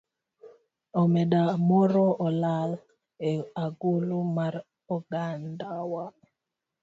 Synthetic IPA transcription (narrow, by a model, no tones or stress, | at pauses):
ɔmɛdamɔɾɔʔɔlal | eaɡulumaɾ | ɔɡandawa